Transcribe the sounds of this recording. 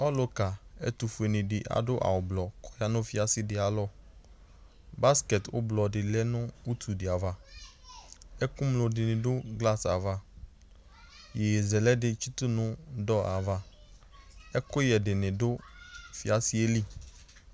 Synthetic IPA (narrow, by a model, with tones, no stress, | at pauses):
ɔ˦lo˨ka˨ɛ̰˦t̪u˨fe˨nɪ̃˨ɖɪ˨ʔa̰˨ɖʊ˦ʔa̰˨wʊ˨blɔ˨kʰɔ̥˨ja˦nʊ̃˦fi˦a˨sɪ˦dɪ˨a˨lɔ˦ | ba˦skɛ˨t̪wʊ̰˦blɔ˨ɖɪ˨lɛ˦nʊ̃˦u˦t̪ʰu˨dɪ˨a˨va˦ | ɛ˦kũ˦mlo˨ɖɪ˨nɪ̃˨ɖʊ˦ɡla˦sa˨va˦ | jɛ˨zɛ˨lɛ˦ɖɪ˨t͡ʃu˦t̪u˦nʊ̃˦ɖɔ˦a˨va˦ | ɛ˦kʊ˦jɛ˨ɖɪ˨nɪ̃˨ɖʊ˦fi˦a˨si˦e˦li˦